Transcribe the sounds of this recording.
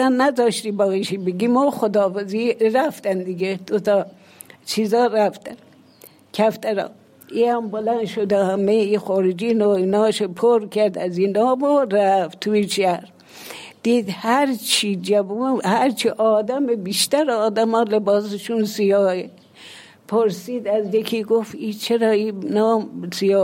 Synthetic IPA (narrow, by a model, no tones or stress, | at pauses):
ænnːæzɑːʃt̪ibɑːɣiʃibeɡimɔːxod̪ɑːfaziɾæft̪ænd̪iɡed̪̥ot̪ɑ | t͡ʃʰizɑːɾæft̪æn | kʰæft̪æɾɑ̰ː | iæmbolænʃod̪ahæmeixɔɾid͡ʒinoinɑːʃopʰoɾkʰæɾd̪æzinɑːboɾæft̪ʰuiʃæɾ | d̪̥iːd̪hæɾt͡ʃʰid͡ʒæbuhæɾt͡ʃʰiʔɑːd̪æmebiʃt̪æɾɑːd̪æmɑːlebɑːseʃunsijɑːe | pʰoɾsiːd̪æzjekʰiɡofiːt͡ʃʰeɾɑːiːnɑːmsijɑː